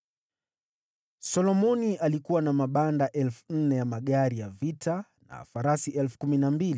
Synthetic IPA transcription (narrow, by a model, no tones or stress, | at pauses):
sɔlɔmɔniʔalikuwanamaɓandaʔɛlfun̩nɛjamaɠaɾijavitʰa | na̰ːfaɾasiʔɛlfu̥kuminambili